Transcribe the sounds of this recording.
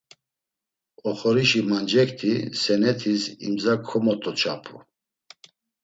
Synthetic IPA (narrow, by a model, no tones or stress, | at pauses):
ɔχɔɾiʃimand͡ʒɛkt̪ʰisɛnɛt̪ʰisḭmd͡zakʰːɔmɔt̪ʰʼɔt͡ʃʰapʰu